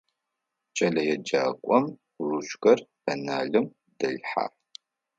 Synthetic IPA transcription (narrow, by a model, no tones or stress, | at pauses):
t͡ʃʼɐɮɐjɛd͡ʒaːkʷʼɔm | ruʃxɐrbɐnaːɮɨm | d̥ɐɮħa̰ː